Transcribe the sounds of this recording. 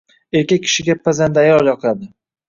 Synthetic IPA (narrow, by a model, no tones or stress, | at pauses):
eɾkʲak̚ʲʰːɪ̥ʃɪɡʲapʰːazand̪aajɒlˠjɒqˠad̪ɪ